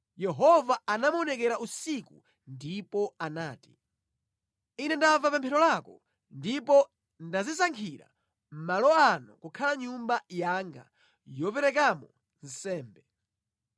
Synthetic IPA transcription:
jɛɦɔvaanamuɔnɛkɛɾaʔusiku | ndipɔanaːti | inɛndavapɛmpʰɛɾɔlakɔ | ndipɔ | ndazis̬aŋkʰiɾa̰ | m̩malɔanɔ̰kukʰalaɲumbajaːŋɡa̰ | jɔpɛɾɛk̬amɔ | n̩sɛːmbɛ

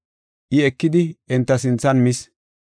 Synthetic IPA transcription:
ʔɪɛkːɪd̪ɪɛnt̪ːɐsɪnt͡sːɐnmɪs

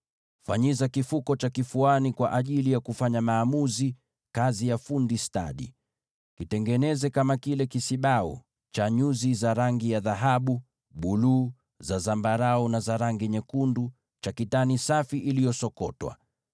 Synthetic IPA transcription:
faɲizakifukɔt͡ʃakifuanikwaʔaʄilijakufaɲamaːmuzi | kazijafundista̰ɗḭ | kitɛŋɡɛnɛzɛkamakilɛkisiɓaɔ̰ | t͡ʃaɲuzizaɾaŋɡijaðaɦaɓu | ɓuluː | zazambaɾaɔnazaɾaŋɡiɲɛkundu | t͡ʃakitanisafiʔilijɔsɔkɔtwa̰

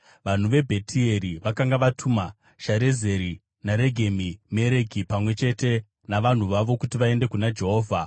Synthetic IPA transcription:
ʋan̤uʋe̞bʱe̞tie̞ɾiʋakaŋɡaʋatʰuma | ʃaɾe̞ze̞ɾi | naɾe̞ɡʱemime̞ɾe̞ɡʱipamwe̞t͡ʃe̞te̞ | naʋan̤uʋaʋo̞kutiʋae̞nde̞kunad͡ʒe̞ɦo̞ːvʱa

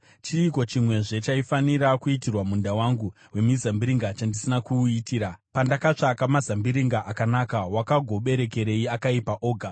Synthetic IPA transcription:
t͡ʃiːko̞t͡ʃimwe̞ʐe̞t͡ʃaifaniɾakuitirwamundawaŋɡu | we̞mizambiɾiŋɡat͡ʃandisinakuitiːɾapandakat͡ʂakamazambiɾiŋɡaʔakanakawakaɡʱo̞ɓe̞ɾe̞ke̞ɾe̞iakaipaʔo̞ːɡʱa

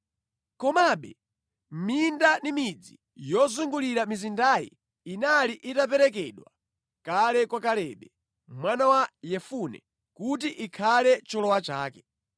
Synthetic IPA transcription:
kɔmaɓɛ̰ | mindanimid͡zi | jɔzuŋɡuliɾamizindajḭ | inaliʔitap̬ɛɾɛkɛɗwa | kalɛkwakalɛɓɛ | mwanawajɛfunɛ̰ | kut̬iʔikʰalɛt͡ʃɔlɔwat͡ʃaːkɛ̥

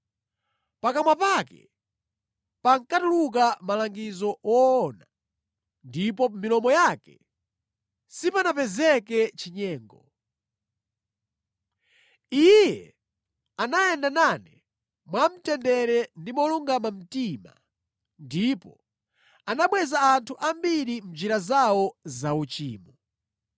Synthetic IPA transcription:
pakamwapakɛ̰ | paŋkatuluk̬amalaŋɡizɔɔːna | ndipɔmilɔmɔjaːkɛ | sipanapɛzɛkɛt͡ʃiɲɛːŋɡɔ | ijjɛ | anajɛndananɛ | mwam̩tɛndɛɾɛndimɔluŋɡamam̩tima̰ | ndipɔ | anaɓwɛzaːntʰuʔambiɾim̩d͡ʒiɾazawɔzaut͡ʃḭːmɔ

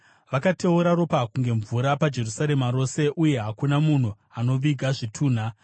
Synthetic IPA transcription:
ʋakate̞uɾaro̞pakuŋɡe̞ɱvuɾapad͡ʒe̞rusaɾe̞maɾo̞se̞ʔuje̞ɦakunamun̤u | ano̞ʋiɡʱaʐitʰuːn̤a

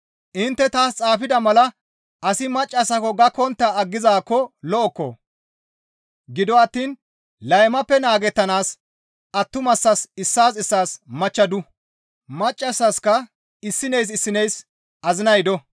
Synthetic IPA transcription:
ʔɪnt̪ːɛt̪aːst͡sʼaːfɪd̪ɐmɐlɐ | ʔɐsɪmɐt͡ʃʼːɐsɐkɔɡɐkɔnt̪ːaɐɡːɪzaːkːɔlɔʔɔkːɔ̰ | ɡɪd̪ɔɐt̪ːiːn | lɐjmɐpːɛnaːɡɛt̪ːɐnaːs | ʔɐt̪ːʊmɐsːɐsɪsːaːsɪsːaːsmɐt͡ʃːɐd̪ʊ | mɐt͡ʃʼːɐsːɐskɐ | ɪsːɪnɛjs̬ɪsːɪnɛjs | ʔɐzɪnɐjd̪ɔ

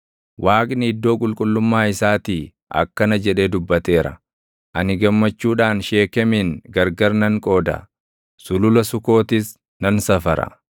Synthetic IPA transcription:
wʔaːkʼnɪɪd̪ːo̞ːkʼʊlkʼʊlːʊmːaːɪsaːt̪iː | ʔɐ̰kːɐnɐd͡ʒɛᶑe̞ːd̪ʊbːɐt̪e̞ːɾɐ̰ | ʔɐnɪɡɐmːɐt͡ʃːuːᶑaːnʃe̞ːkɛmiːnɡɐɾɡɐɾnɐŋkʼo̞ːd̪ɐ̰ | sʊlʊlɐsʊko̞ːt̪ɪs | nɐnsɐfɐɾɐ̰

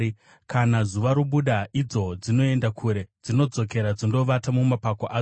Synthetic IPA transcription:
kanazuʋaɾuɓuɗaʔid͡zo̞d͡zino̞e̞ndakʰuɾe̞d͡zino̞d͡zo̞ke̞ɾad͡zindo̞ʋatamumapakoʔaː

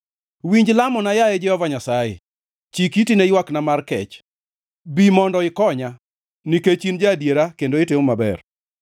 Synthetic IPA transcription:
wiɲd͡ʒlamɔnajaɛd͡ʒɛhɔvaɲasajḛ | t͡ʃikitinejwaknamarkɛ̰t͡ʃ | bimɔndɔɪkɔɲa | niket͡ʃind͡ʒadjeɾakendoɪteomabɛ̰r

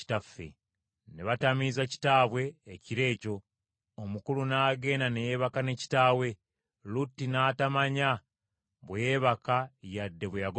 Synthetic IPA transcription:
i̥tafḛ | ne̞βatamizaci̥taːβwe̞ːciɾe̞ːco̞ | omukulunaːɡe̞ːnanejeːβakane̞ci̥taːwe̞ | lutːinaːtamaɲa | βweːβakajadːe̞βwejaɡo

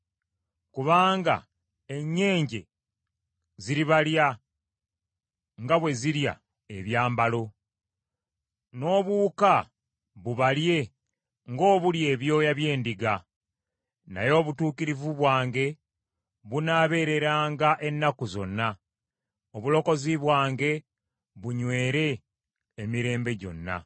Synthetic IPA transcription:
kuβaːŋɡa̰ | e̞ɲːe̞ːɲɟe̞̰ | ziɾiβalja | ŋɡaβwe̞ziɾja̰ | eβjaːmbalo̞ | no̞ːβuːka | βuβalje̞ | ŋɡo̞ːβulje̞ːβjo̞ːjaβje̞ːndiɡa | na̰jo̞ːβutuːkiɾivuβwaːŋɡe̞ | βunaːβe̞ːɾe̞ɾaːŋɡaʔe̞nːakuzo̞nːa | oβulo̞ko̞ziβwaːŋɡe̞ | βuɲwe̞ːɾe̞ː | miɾe̞ːmbe̞ɟo̞̰nːa̰

